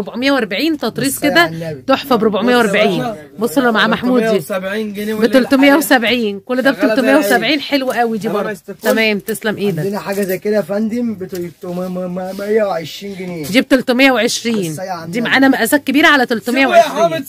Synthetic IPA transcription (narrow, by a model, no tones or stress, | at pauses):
ɾoboʕomejːæwʔæɾˤbaʕiːnt̪ɑt̪ˤɾiːsˤked̪æt̪oħfɑbɾobʕomejːæwʔæɾbaʕiːn | bosˤɑlːɑmaʕamaħmuːd̪iː | beolt̪omejːæwesæbʕiːnkolːd̪æbet̪olt̪omejæwesæbʕiːnħelwæʔæwid̪iːbɑɾˤd̪ˤut̪æmæːmt̪eslæmʔeːd̪ænæħaːɡæzæjkelæfænd̪embet̪t̪mmmejæwʕeʃɾiːnɡenejd̪iːb̚t̪olt̪omejːæwʕeʃɾiːnd̪iːmaʕaːnæmæʔæzæːt̪̚kebiːɾæʕalæt̪olt̪omejæwʕeʃʃiːn